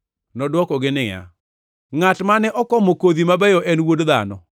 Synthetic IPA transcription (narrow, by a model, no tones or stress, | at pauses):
nɔdwɔkɔɡɪnɪja̰ | ŋatmanɛʔɔkɔmokoðimabɛjɔʔɛnwodða̰nɔ̰